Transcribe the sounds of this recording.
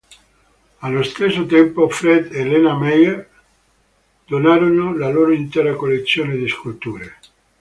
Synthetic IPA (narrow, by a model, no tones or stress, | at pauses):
alːost̪esːot̪ɛmpofɾɛd̪elenamɛjer | d̪onaːɾonolaloːɾoint̪ɛːɾakolːet̪sːjoːned̪iskult̪uːɾe